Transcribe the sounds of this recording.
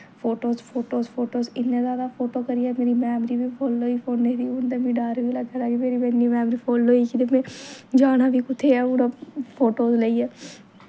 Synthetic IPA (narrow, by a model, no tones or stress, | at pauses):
pʰoːʈoːspʰoːʈoːspʰoːʈoːsɪnːẽːzaːʋaːpʰoːʈoːkəɾiːaːmeːɾiːmɛːmɾiːbiːpʰoːlːoːiːpʰoːnːeːd̪iːʊnd̪eːmĩːɖaːɾʋiːlaɡəɾaːɡimeːɾiːmɛnːiːmɛːmɾiːpʰoːlloːiːkid̪emẽːd͡ʒaːnaːʋiːkʊt̪ʰːeːɛːʊɽaːpʰoːʈoːsləiːɛː